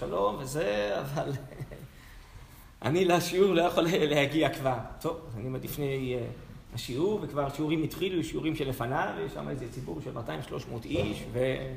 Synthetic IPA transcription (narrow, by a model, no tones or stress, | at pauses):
alo̞mvezea̰val | ʔa̰nileaʃiuʁlo̞jeχo̞lelehaɡiakvaʁto̞vazanimadifnejhaʃiuʁvekvaʁʃiuʁimitχiluʃiuʁimʃelːefanavejeʃa̰maezet͡sibuʁʃelmataimʃlo̞̰ʃmo̞ːtiʃve